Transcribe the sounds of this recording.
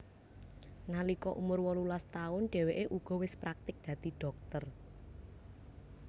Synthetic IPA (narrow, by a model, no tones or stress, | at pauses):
nalikɔʔumʊrwɔlulast̪aʊnɖ̥ɛ̤weʔeʔuɡ̥ɔ̤wɪspɾak̚t̪ɪk̚d̪̥ä̤d̪̥i̤ɖ̥ɔ̤k̚t̪ər